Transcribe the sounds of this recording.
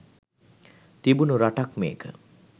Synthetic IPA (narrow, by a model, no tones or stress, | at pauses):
t̪ibunuɾaʈakmeːkə